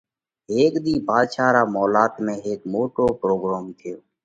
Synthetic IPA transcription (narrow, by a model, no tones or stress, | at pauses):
eːkd̪iːbʱaːd̪t͡ʃʰaːɾaːmɔːlaːt̪mẽːɦeːkmoːʈoːpɾoːɡɾaːmt̪ʰɪjoː